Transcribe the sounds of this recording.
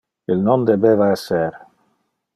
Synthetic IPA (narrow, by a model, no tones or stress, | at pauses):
ilnond̪ebeːvaɛseɾ